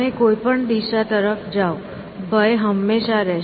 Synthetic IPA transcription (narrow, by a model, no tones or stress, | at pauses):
ekoipəɳd̪iʃat̪əɾəfd͡ʒao | bʱəjɦəmːeʃaɾɛ